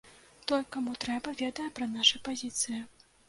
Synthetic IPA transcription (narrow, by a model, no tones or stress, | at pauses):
t̪ɔlʲkamut̪ɾɛbɐvʲɛd̪ɐjɐpɾɐnaʂɐjpazʲit̪sɨjɐ